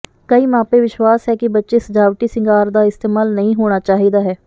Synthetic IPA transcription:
kəiːmãːpeːʋɪʃwaːsɦɛːkɪbətːʃeːsəd͡ʒaːʋʈiːsɪ̃ŋɡaːɾd̪aːɪst̪eːmaːlnəɦĩːɦoːɽ̃aːt͡ʃaːɦiːd̪aːɦɛː

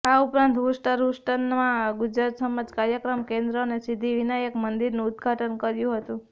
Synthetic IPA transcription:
aupɾãnt̪ɦusʈəɾusʈənmãɡʊd͡ʒɾat̪səməd͡ʒkaɾjəkɾəmkẽnd̪ɾonesid̪ʱiʋinajəkmənd̪iɾnũːd̪ɡʱaʈənkəɾjũɦət̪ũ

